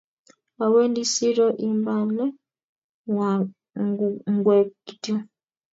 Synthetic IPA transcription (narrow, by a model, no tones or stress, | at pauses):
aweːndisiɾoʔimbane | ŋɡwekiti